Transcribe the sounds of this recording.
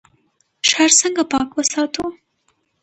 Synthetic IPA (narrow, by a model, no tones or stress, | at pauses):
ʃaɾsəŋɡapɑkwəsɑt̪u